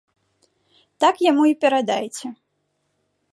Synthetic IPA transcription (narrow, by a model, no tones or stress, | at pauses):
t̪akjamuipʲɛɾad̪ajt͡sʲɛ